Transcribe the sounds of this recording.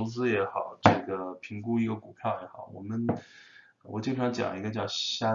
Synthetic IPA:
ʊt͡sɹ̩˥jɛ˧˥xɑ˨˩˦ʊʈ͡ʂɤ˥˩ɡə˩pʰi˧˥ŋku˥i˧˥ɡə˧ku˨˩pʰjɑ˥˩ʊjɛ˧˥xɑ˨˩˦ʊwɔ̰˨˩mə˦n | wɔ˨˩t͡ɕi˥˩˥ɑ˧˥t͡ɕjɑ̰˨˩ŋi˧˥ɡə˧t͡ɕjɑ˥˧ʊɕja˥

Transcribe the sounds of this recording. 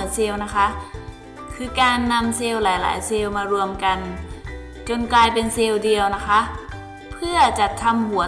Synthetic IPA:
seː˧wna˦˥kʰa˦˥ʔ | kʰɯː˧kaː˧nːa˧mseː˧wlaː˨˩˦jla̰ː˩˦jseː˧wmaː˧ɾu˧əmka˧n | t͡ɕo˧nklaː˧jpe˧nseː˧wdi˨˧əwna˦˥kʰa˦˥ʔ | pʰɯ˥˧˥ɐt͡ɕa˨˩t̪ʰːa˧˥mhu˨˩˦ɐ˦

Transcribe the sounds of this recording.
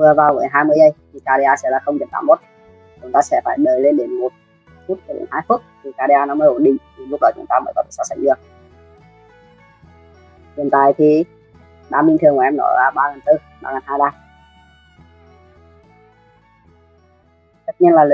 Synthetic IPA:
vɨ˨˩əvaː˨˩wɣəː˨˦jɦaː˧jmɨ˧əjʔə˧jt̪ʰi˨˩kaː˧ɗi˧ʔaː˧sɛ̰˧˥laː˨˩xə˧wŋ͡mɗi˨˦t̪aː˧˦mo˦˥t̚ | t͡ɕʊ˨˦ŋ͡mt̪aː˧sɛ̰˧˥faː˧˩jməː˨˩jle˧nɗe˨˦nmo˨˩t̚ | fu˦˥t̚t͡ɕə˧˦ɗḛ˨˦nhaː˧jfu˦˥t̚t̪ʰi˨˩kaː˧ɗi˧ʔaː˧nɔ˨˦məː˧˦ʔo˧˩nɗḭ˧˨ŋ̟t̪ʰi˨˩lʊ˦˥k͡p̚la˨˩t͡ɕʊ˨˦ŋ͡mt̪aː˧məː˨˦jkɔ˨˦t̪ʰe̥̰˧˨saː˧˩sa̰˧˩ŋɗɨ˧˩ək̚ | t̪i˨˩ənt̪aː˨jt̪ʰi˨˩ | ɓaː˧˦mï˧ŋ̟t̪ɨ˨˩əŋkɔ˨˧˩ʔɛ˧nɔ̰˨˦laː˨˩ɓaː˧ɣə˨˩nt̪ɨ˧ | ɓaː˧ɣəː˨˩nhaː˧jɗaː˧ | t̪ə˦˥t̚ɲi˧ənlaː˨˩l

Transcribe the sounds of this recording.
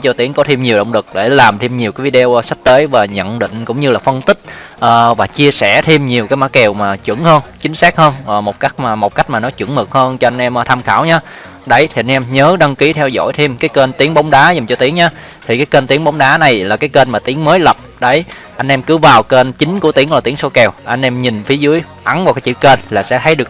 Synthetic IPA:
t͡ɕɔ˧t̪i˨˦əŋkɔ˨˦t̪ʰi˧mɲi˨˩əwɗə̰˧˨wŋ͡mlɨ˨˩k̚ɗe˧˩laː˨˩mt̪ʰi˧mɲi˨˩əwkaː˨˦jvi˧ɗe˧o˧wsa˦˥k̚t̪eː˨˦jvaː˨˩ɲə̰˧˨nɗḭ˧˨ŋ̟kʊ̰˧˥ŋ͡mɲɨ˧laː˨˩fə˧nt̪ï˦˥k̟̚ʔəː˨˩vaː˨˩t͡ɕi˧əsɛ˧˩t̪ʰi˧mɲi˨˩əwkaː˨˦jmaː˧˦˥kɛ˨˩wmaː˨˩t͡ɕwɨ̰˧˩əŋhəː˧nt͡ɕï˨˦ŋ̟saː˦˥k̚həː˧nː˨˩mo˨˩t̚ka˦˥jk̟̚maː˨˩mo˨˩t̚ka˦˥jk̟̚maː˨˩nɔ˨˦t͡ɕwɨ̰˧˩əŋmɨ˨˩k̚həː˧nt͡ɕɔ˧ʔa˧jŋ̟ʔɛ˧mʔːt̪ʰa˧mxaː˧˩wɲaː˧ | ɗə˧˩jt̪ʰi˨˩ʔa˧jŋʔɛ˧mɲəː˨˦ɗə˧ŋki˨˦t̪ʰɛ˧wzɔ̰˧˥˨jt̪ʰi˧mkaː˨˦jke˧nt̪i˨˦əŋɓa˨˦wŋ͡mɗaː˨˦za˨˩mt͡ɕɔ˧t̪i˨˦əŋɲaː˧ | t̪ʰi˨˩kaː˨˦jke˧nt̪i˨˦əŋɓa˨˦wŋ͡mɗaː˨˦na˨˩jlaː˨˩kaː˨˦jke˧nmaː˨˩t̪i˨˦əŋməː˨˦jlə˨˩p̚ɗə˨˩j | ʔa˧jŋ̟ʔɛ˧mkɨ˨˦vaː˨˩wke˧nt͡ɕï˨˦ŋ̟ku˧˩ət̪i˨˦əŋlaː˨˩t̪i˨˦əŋso˧kɛ˨˩wʔa˧jŋ̟ʔɛ˧mɲï˨˩nfi˨˦əzɨ˨˦əj | ʔa˨˦nvaː˨˩wkaː˨˦jt͡ɕi˧˥ke˧nlaː˨˩sɛ̰˧˥t̪ʰə˨˦jɗɨ˨˩ək̚

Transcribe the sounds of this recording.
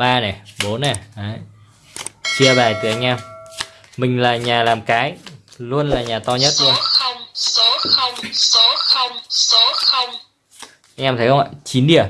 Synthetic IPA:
ɓaː˧nɛ˨˩ɓo˨˦nːɛ˨˩ʔaː˨˦ | t͡ɕi˧əvaː˨˩jt̪ɨ˨˩ʔa˧jŋ̟ʔaː˧m | mï˨˩ŋ̟laː˨˩ɲaː˨˩laː˨˩mkaː˨˦jlu˧ənlaː˨˩ɲaː˨˩t̪ɔ˧ɲə˦˥t̚lu˧ə˦xə˧wŋ͡mɔ˨˦xə˧wŋ͡mɔ˨˦xə˧wŋ͡msɔ˨˦xə˧wŋ͡m | ʔa˧jŋʔaː˧mt̪ʰə˨˦jhə˧ŋ͡mʔa̰ː˧˨˩t͡ɕi˨˦nɗi˧˩ə

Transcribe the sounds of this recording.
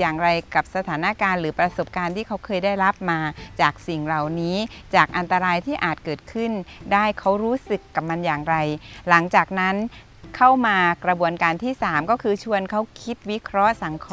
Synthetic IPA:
jaː˨˩ŋɾa˧jka˨˩p̚sa˧t̪ʰaː˩˦na˦˧˥kaː˧nɾɯː˩˦pɾa˧so˨˩p̚kaː˧nt̪ʰiː˥˩kʰa˦˥wkʰɤː˧jdaː˥˩jɾa˦˥p̚maː˧t͡ɕaː˨˩k̚si˨˩ŋla˨˩wniː˦˥t͡ɕaː˨˩k̚ʔa˧nt̪a˧ɾaː˧jt̪ʰiː˥˩ʔaː˨˩t̪̚kɤː˨˩t̪̚kʰɯ˥˩ndaː˥˩jkʰa˦˥wɾuː˦˥sɯ˨˩kːa˨˩p̚ma˧njaː˨˩ŋɾa˧jla˩˦ŋt͡ɕaː˨˩k̚na˦˥n | kʰa˥˩wmaː˧kɾa˧bu˧ənkaː˧nt̪ʰiː˥˩saː˩˦mkɔː˥˩kʰɯː˧t͡ɕʰu˧ənkʰa˦˥wkʰi˦˥t̪̚wi˦˥kʰɾɔ˦˥ʔsa˩˦ŋkʰː

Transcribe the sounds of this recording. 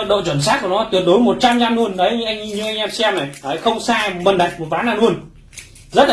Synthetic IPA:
ə˧˨t̚ɗo̰˧˨t͡ɕwə˧˩ns̬a˦˥t̚ku˧˩nɔ˨˦t̪wi˨˩əɗo˨˦jmo˨˩t̚t͡ɕa˧mɲa˧mnu˧ənɗə˨˦jʔa˧jŋ̟i˧ɲɨ˧ʔa˧ŋ̟ʔɛ˧msɛ˧mna˨˩jʔəː˨˩jxə˧wŋ͡msaː˧ɓə˧˩nɗa˨˩jk̚mo˨˩t̚ɓaː˨˦naː˧˩nu˧ən | zə˦˥t̚la˨

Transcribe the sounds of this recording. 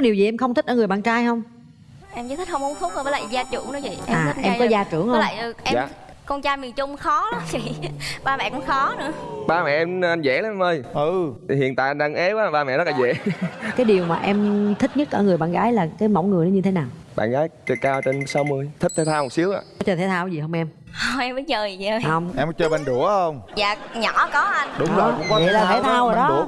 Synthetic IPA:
kɔ˨˦ɗi˨˩wzi˨˩ʔɛ˧mxə˧wŋ͡mt̪ʰi˦˥k̚ʔəː˧˩ɨ˨˩əjɓa̰ː˧˨nt͡ɕaː˧jɦə˧wŋ͡m | ʔɛ˧mzəː˨˦˥t̪ʰi˦˥k̚hə˧wŋ͡mʊ˨˦ŋfʊ˦˥k͡p̚ə˧˩ə˨˦l̰aː˧˨˩zaː˧t͡ɕṵ˧˩əŋnɨ˨˦t͡ɕḭ˧˨ʔɛ˧ʔaː˨˩˦ʔɛ˧mkɔ˨˦zaː˧t͡ɕṵ˧˩əŋhə˧˦l̰ːjə˨˩ʔɛ˧ja̰˧˨ | kɔ˧nt͡ɕaː˧jmi˨˩nt͡ɕʊ˧ŋ͡mxɔ˨˦ɗa˨˦t͡ɕḭ˧˩˨ɓaː˧mɛ̰˧˨kʊ̰˧˥ŋ͡mxɔ˨˦nɨ̰˧˥əɓaː˧mɛ̰˧˨ʔɛ˧mʔa˧nzɛ̰˧˥laː˧˦mʔɛ˧mʔəː˧jɨ˨hḭ˧˨ənt̪a̰ː˧˨ʔɗa˧ŋʔe˨˦waː˨˦˩ɓaː˧mɛ̰˧˨zə˦˥laː˨zɛ̰˧˩˥kaː˨˦jɗi˨˩əwmaː˨˩ʔɛ˧mt̪ʰï˦˥ɲə˦˥t̚ʔəː˧˩ŋɨ˨˩jɓa̰ː˧˨nɣaː˨˦jlaː˨˩kaː˨˦jma̰˧˩wŋɨ˨˩ən˨˦ɲɨ˧t̪ʰe˨˦naː˨˩wɓa̰ː˧˨nɣaː˨˦jt͡ɕɨ˨˩kaː˧wt͡ɕe˧nsa˨˦wmɨ˧əjt̪ʰi˦˥k̚t̪ʰɛ˨˦t̪ʰaː˧wmo˨˩si˨˦əwʔa̰ː˧˨ɔ˨˦t͡ɕɔ˧t̪ʰe˨˧˦jt̪ʰaː˧wzi˨˩hə˧wŋ͡mʔɛ˧m | hɔ˧ʔɛ˧məː˨˦jzəː˨˩jəː˧hə˧wŋ͡mʔɛ˧m˨˦t͡ɕəː˧ɓe˧nɗu˧˩əhə˧wŋ͡mza̰ː˨ɲɔ̰˧˩˦kɔ˨˦ʔa˧nɗʊ˨˦ŋ͡mzo˨je˨laː˨˩t̪ʰe˧˦t̪ʰaː˧wə˨˦ɗɔ˨˦˧

